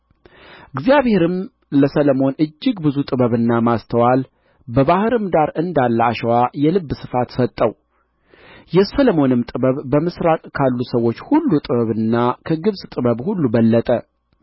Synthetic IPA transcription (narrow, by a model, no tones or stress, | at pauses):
ʔɨɡzijaβhe̞ɾɨm | ləsələmo̞nɨd͡ʒːɪɡbɨzut̪ʼɨβəβɨnːamast̪ʰəwal | bəβahɨɾɨmd̪aɾɨnd̪alːaʃwajɛlɨbːsɨ̥fat̪sət̪ʼːəw | jɛsələmo̞nɨmt̪ʼɨβəβbəmɨsɾakʼkʰalːusəwːo̞t͡ʃːhulːut̪ʼɨβəβɨnːakʰəɡɨβsʼt̪ʼɨβəβhulːubəlːət̪ʼə